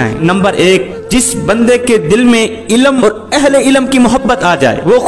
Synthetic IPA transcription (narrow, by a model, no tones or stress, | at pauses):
ḛ̃nɐ̃mbəɾʔeːk̚ | d͡ʒɪsbɐ̃nd̪eked̪ɪlmẽ | ɪlmɔːɾ | ɛɦleɪləmkimʊɦəbːət̪aːd͡ʒa̰ːḛːʋoː